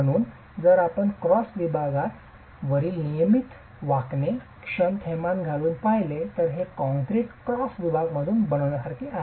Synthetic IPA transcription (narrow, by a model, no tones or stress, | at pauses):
əɽ̃uːn | d͡zəɾapəɳkɾɔsʋibʱaɡat̪ | ʋəɾiːlnijəmit̪ | ʋaknekʂənt̪ʰɛmanɡʱaluːnpajlet̪əɾɦekɔ̃ŋkɾiːkkɾɔsʋibʱaɡməd̪ʱuːnbəɽ̃əʋnəkəɾkiaɦ